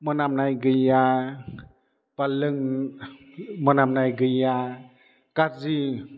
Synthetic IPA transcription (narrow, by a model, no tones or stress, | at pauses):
mɔnamnajɡɯja | palɯŋ | mɔnamnajɡɯja | kat̚zi